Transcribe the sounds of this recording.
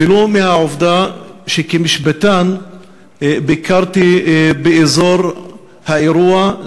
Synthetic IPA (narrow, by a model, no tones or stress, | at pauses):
ilumehaʕovd̪aʃekemiʃbat̪an | bikaɾt̪ibeʔezoɾ | haʔeɾua